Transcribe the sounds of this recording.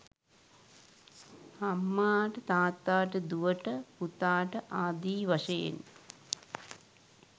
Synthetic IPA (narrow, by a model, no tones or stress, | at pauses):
hɐmːaːʈɐt̪aːt̪ːaːʈɨd̪uʋɐʈːɐput̪aːʈɐʔaːd̪iːʋɐʂḛːn